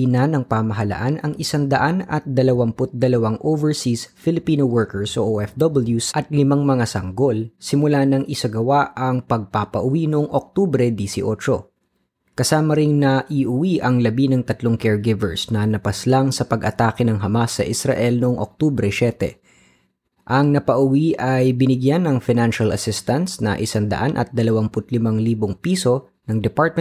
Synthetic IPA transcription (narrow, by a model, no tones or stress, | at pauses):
inanɐŋpaːmɐɦɐlɐ̰ʔanɐŋʔɪsaŋd̪ɐʔanɐt̪̚d̪ɐlɐwaŋpʊt̪̚d̪ɐlɐwaŋʔovɛɹsisfɪlɪpiːnowɛɹkɛɹsʔoʔoʔɛfd̪obɪljusʔɐt̪̚lɪmaŋmɐŋasɐŋɡo̞lsɪmʊlanɐŋʔɪsɐɡɐwaʔɐŋpɐɡ̚papɐʔʊwinʊʔoŋʔok̚t̪ubɾɛd̪isɪʔo̞ːt͡ʃo̞̰ | kɐsaːmɐɾɪŋnɐʔiʔʊwiʔɐŋlɐbinɐŋt̪ɐt̪loŋkɛɹɡɪvɛɹsnɐnɐpɐslaŋsɐpɐɡʔɐt̪aːkɪnɐŋɦɐmasɐ̰ʔɪsɾɐ̰ʔɛlnʊʔoŋʔok̚t̪ubɾɛʃɛt̪ɛ̰ | ʔɐŋnɐpɐʔʊwiʔɐjbɪnɪɡjanɐŋfɪnanʃɐlɐsɪst̪ɐnsnɐ̰ʔɪsand̪ɐ̰ʔanʔɐ̰t̪̚d̪ɐlɐwaŋpʊt̪̚lɪmɐŋliːboŋpiːso̞ | nɐŋd̪ɛpaɹt̪̚m